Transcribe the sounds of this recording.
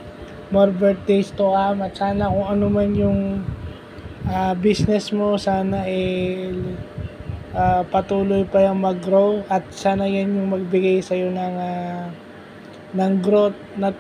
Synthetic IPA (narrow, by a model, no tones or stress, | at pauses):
maɾbɛɹt̪̚d̪ejst̪okamɐt̪saːnɐkʊŋɐnomanjʊŋ | ʔabisnɛsmo̞saːnɐʔɛ | ʔapɐt̪uːlojpɐjɐŋmɐɡɾowɐt̪̚saːnɐjanjʊŋmɐɡ̚bɪɡajsɐjo̞nɐŋa | nɐŋɡɾot̪̚nɐ